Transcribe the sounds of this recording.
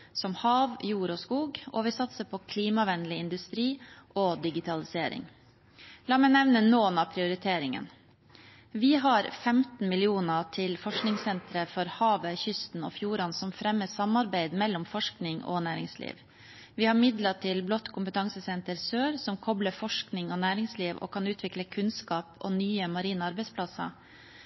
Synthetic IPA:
sɔmhɑːʋjuːɾɔːskuːɡoːʋɪsɑt̪səpʰɔkʰliːmɑʋɛnlɪɪnd̪ʉst̪ɾiːʔoːd̪ɪɡɪt̪ʰɑlɪseːɾɪ̰ŋ | lɑːmɛɪnɛʋnənoːnɑːpʰɾɪʊɾɪt̪ʰeːɾɪŋə̰n | ʋɪɦɑɾfɛmt̪n̩mɪlɪuːnəʈʰɪlfɔʂknɪŋsɛnt̪ɾəfɔɾhɑːʋəçʏst̪n̩ɔ̰ːfjuːɾɑnsɔmfɾɛmːəsɑmɑɾbæɪd̪mɛlːɔmfɔʂknɪŋɔ̰næːɾɪ̰ŋslḭːʋ | ʋɪhɑɾmɪd̪lɑʈʰɪlblɔt̪ːkʰʊmpət̪ʰɑŋsəsɛnt̪əɾsøːɾsɔmkʰɔbləfɔʂknɪŋoːnæːɾɪŋsliːʋɔ̰ːkʰɑnʉːt̪ʰʋɪkləkʰʉnskɑːpʰɔ̰ːnyːəmɑɾiːnəɑɾbɛɪspʰlɑsɑ̰

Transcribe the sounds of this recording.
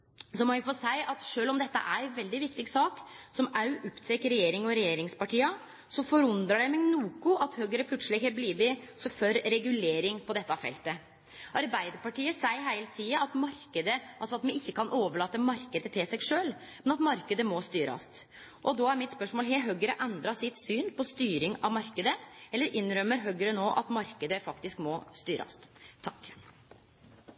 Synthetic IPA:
sɔmɔjæɡfɔsæɪʔɑt̪ʂøːlɔmd̪ɛt̪ːə̰ʔæɾʋɛld̪ɪʋɪkt̪ɪɡsɑːksɔmɑʉʔɔpt̪ʰɛkəɾɛjeːɾɪŋɔɾɛjeːɾɪŋspɑʈiːɑ | sɔfɔɾʉnd̪ɾɑɖɛmɛɡnuːkʊʔɑt̪hœɡəɾəpʰlʉt̪səlɪhɛbliːbɪsɔføɾɾɛɡʉleːɾɪŋpʰɔd̪ɛt̪ːɑfɛ̰lt̪ə | ʔɑɾbæɪd̪əɾpɑʈiːəsæɪɦæɪlt̪ʰiːɑɑt̪mɑɾkəd̪əʔɑlsɔɑt̪mɛɪçːəkɑnʔoːʋəɭɑːt̪ːəmɑɾkəd̪ət̪ʰɪlsɛɡʂøːl | mɛnɑt̪mɑɾkəd̪əmɔst̪yːɾɑ̰st̪ | ʔɔd̪oːæɾmɪt̪spœʂmoːlɦeɦœɡəɾəʔɛnd̪ɾɑsɪt̪syːnpʰɔst̪yːɾɪŋɑʋmɑɾkəd̪əʔɛlːəɾʔɪnɾœmːəɾɦœɡəɾənoːʔɑ̰t̪mɑɾkəd̪əfɑkt̪ɪskmɔst̪yːɾəɑ̰st̪ʰːɑkː

